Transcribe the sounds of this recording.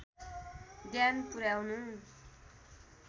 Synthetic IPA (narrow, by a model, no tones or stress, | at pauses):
d̪janpuɾjawnu